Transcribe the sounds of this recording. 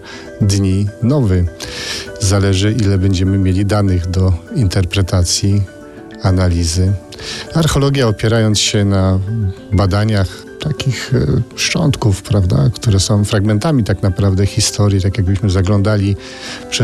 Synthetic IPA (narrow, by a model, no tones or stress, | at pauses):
d̪ɲinɔvɘ | zalɛʐɘʔilɛbɛɲd͡ʑɛmɘmʲjelʲid̪anɘɣd̪ɔint̪ɛɾpɾɛt̪at̪sʲji | analʲizɘ | aɾxɛlɔɡʲjaɔpʲjɛɾajɔnt̪sɕɛna | bad̪aɲax | t̪akʲixʂt͡ʂɔ̰nt̪kufpɾavd̪a̰kt̪uɾɛsɔ̃w̃fɾaɡmɛnt̪amʲit̪aknapɾavd̪ɛxʲist̪ʰɔɾjit̪akjaɡbɘɕmɘzaɡlɔnd̪alʲi | pʂɛ